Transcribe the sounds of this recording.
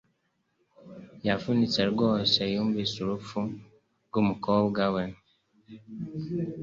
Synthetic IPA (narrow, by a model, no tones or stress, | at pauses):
jafunisɛɾɡɔsɛjombesuɾofu | ɡomukɔbɡawɛn